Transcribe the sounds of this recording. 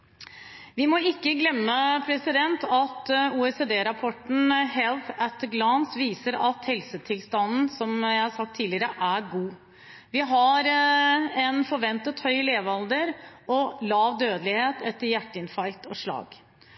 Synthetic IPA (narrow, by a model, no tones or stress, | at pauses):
ʋɪmɔɪkːəɡlɛmːəpʰɾɛsɪd̪ɛnt̪ʰɑt̪uːɛsed̪eːɾɑpʰɔʈɳ̩hɛlθæt̪ːɡlɑnsʋiːsəɾɑt̪hɛlsət̪ʰɪlst̪ɑnn̩sɔmjæɪhɑsɑk̚t̪ʰːiːlɪəɾəʔæɡuː | ʋɪɦɑɾ | ɛnfɔɾʋɛnt̪ət̪hœʏleːʋɑld̪əɾɔlɑːʋd̪øːd̪əlɪheːt̪ɛt̪ːəɾjæʈːəɪnfɑlt̪ɔʂɭɑ̰ːɡ